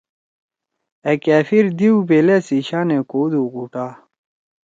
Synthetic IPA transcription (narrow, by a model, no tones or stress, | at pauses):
ekaːfiɾd̪iubeːlesiɕaːnekoːd̪uːɡuʈaː